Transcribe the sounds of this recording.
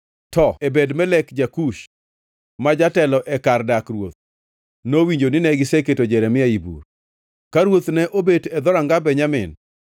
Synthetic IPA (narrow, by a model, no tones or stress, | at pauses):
tɔebedmɛlɛkd͡ʒakuʃ | mad͡ʒatɛlɔʔɛkardakɾwot̪̚ | nowiɲd͡ʒonɪnɛɡɪseketod͡ʒɛɾɛmɪaibṵr | kaɾwot̪nɛʔobetɛd̪ɔɾaŋɡabɛɲamɪ̰n